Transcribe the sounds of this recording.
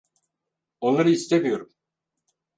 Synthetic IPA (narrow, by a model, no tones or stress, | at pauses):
o̞nlˠaɾɯist̪ʰemijo̞ɾum